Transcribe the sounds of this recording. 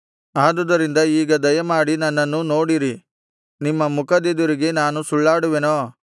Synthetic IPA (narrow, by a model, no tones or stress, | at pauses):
aːd̪ud̪ɐɾind̪ɐiːɡɐd̪ɐjɐmaːɽinɐnːɐnːuno̞ːɽiɾi | nimːɐmukʰɐd̪ed̪uɾiɡe̞naːnusuɭːaːɽuʋenoː